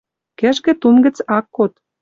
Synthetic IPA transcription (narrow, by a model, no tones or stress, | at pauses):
kĕʒɡɘ̆t̪unɡə̆t͡sɑkːot̪